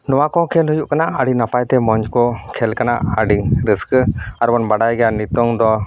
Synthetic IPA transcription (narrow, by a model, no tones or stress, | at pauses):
nɔwakɔkʰɛlɦujuʔkanaʔəɖinapajt̪ɛmɔɲd͡ʒkɔkʰɛlkanaʔəɖiŋɾiskaɾbɔnbaɖajɡɛjanit̪ɔŋd̪ɔ